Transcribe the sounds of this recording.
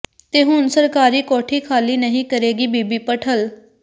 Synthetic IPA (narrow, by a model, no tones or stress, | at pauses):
t̪eːɦʊnsəɾkaːɾiːkɔːʈʰiːkʰaːliːnəɦĩːkəɾeːɡiːbiːbiːpəʈʰəl